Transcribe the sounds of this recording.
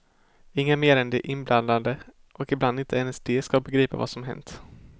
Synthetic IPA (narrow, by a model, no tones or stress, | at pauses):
ɪŋːameːɾɛnd̪ɛʔɪnblʔand̪and̪ə | ʔɔkɪbland̪ɪnt̪ʰəɛnɛsd̪eːskabɛɡɾiːpa̰va̰sɔmɦɛ̰nt̪